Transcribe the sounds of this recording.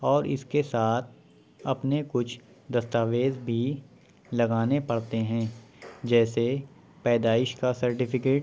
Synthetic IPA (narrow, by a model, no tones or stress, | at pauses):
ɔːɾɪ̰skesaːt̪̚ʰ | ɐpnekʊt͡ʃʰ | d̪ɐst̪aːʋeːzbʱi | lɐɡaːnepɐɽt̪eɦɛ̃ːd͡ʒɛːse | pɛːd̪aːɪʃkasɐɾʈɪpɪkeːʈ